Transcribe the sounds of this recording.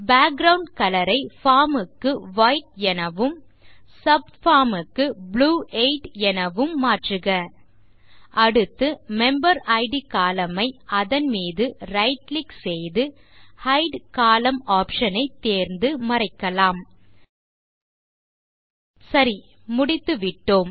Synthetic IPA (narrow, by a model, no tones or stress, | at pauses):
baːk̚ɡɾɐwʊɳɖkɐlɐɾɐɪfaːɾmɯkːɯʋaːjʈ̚ɛnɐʋɯm | sɐb̚ | faːmɯkːɯbluːʔeɪʈɛnɐʋɯmːaːʈrɯɣɐ | ʔɐɽɯt̪ːɯmɛmbɐɾɐɪɖikaːlɐmɐɪɐðɐnmiːðɯɾɐɪʈlɪksɛjðɯ | hɐɪɖkaːlɐmaːpʂɐnɐɪt̪ːeːɾnd̪ɯmɐɾɐɪkːɐlaːm | sɐɾi | mʊɽɪt̪ːɯʋɪʈːoːm